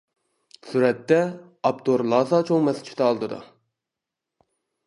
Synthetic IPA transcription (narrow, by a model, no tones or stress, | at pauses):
syɾɛt̪ːɛ | ɑp̚t̪ʰoɾlˠɑːzɑt͡ʃʰoŋmɛsɪ̥t͡ʃʰi̥t̪ʰɑɑlˠd̪ɨd̪ṵ